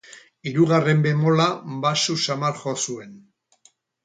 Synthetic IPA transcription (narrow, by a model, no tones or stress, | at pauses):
iɾuɣare̞mbe̞mo̞labasusamalxo̞sue̞n